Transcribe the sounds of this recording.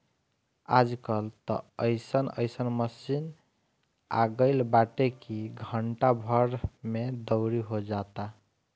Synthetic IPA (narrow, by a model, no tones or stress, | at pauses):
a̰d͡ʒkəlt̪ə̰əjsənə̰jsənməsin | a̰ɡəɪlbaʈekiɡʱəɳʈabʱəɾmed̪əʊɾiɦod͡ʒat̪a